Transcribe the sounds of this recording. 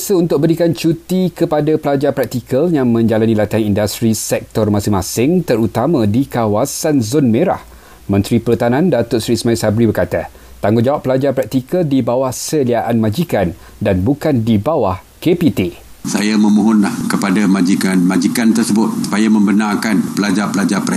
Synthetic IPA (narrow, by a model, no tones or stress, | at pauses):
asəunt̪ʊk̚bəɾikant͡ʃut̪ikəpadapəlad͡ʒapɾak̚t̪ikʰəljaŋmə̃ɲd͡ʒalanilat̪aŋindast̪ɾisɛk̚t̪ɔrmasɪŋmãsɪŋt̪əɾut̪amãdikawasanzonmẽɾa̰h | mə̃nt̪ɾipəlut̪anãndat̪ʊsɾismajsabɾibərkat̪a | t̪aŋɡʊd͡ʒawaʔpːəlad͡ʒapɾak̚t̪ikəldibawahsəliaʔanmãd͡ʒikan | danbukandibawah | kepit̪e | sajamə̃mũɦʊnlahkəpadamãd͡ʒikanmãd͡ʒikant̪ərsəbʊt̪̚su̥pajamə̃mbənarkanpəlad͡ʒapəlad͡ʒapɾɛ